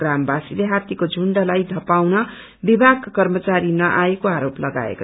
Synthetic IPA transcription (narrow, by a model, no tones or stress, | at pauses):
rambasileɦat̪ikod͡zʱuɳɖalajd̪ʱʌpawnʌ | bibʱaɡkʌrmʌt͡saɾinʌʔaekoaɾoplʌɡa̰ḛko